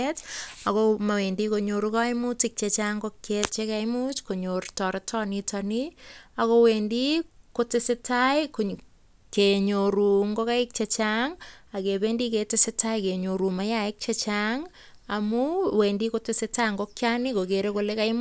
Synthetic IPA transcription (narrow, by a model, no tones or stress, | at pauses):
etakomawendikoɲoɾukaɪmutɪk̚t͡ʃet͡ʃaŋɡokːet͡ʃekaɪmut͡ʃkoɲoɾtɔɾetʰɔnitʰaniakowendikotesɪtajko | keɲoɾuŋɡokaɪk̚t͡ʃet͡ʃaŋakebendiketesɪtaikeɲoɾumajaek̚t͡ʃet͡ʃaŋ | amuweːndikotesɪtaŋɡokːjanikokeɾekolekam